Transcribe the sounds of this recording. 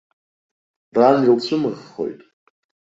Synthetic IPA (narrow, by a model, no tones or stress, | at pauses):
ranilt͡ɕʷʰɨmɨʁːo̞̰jtʼ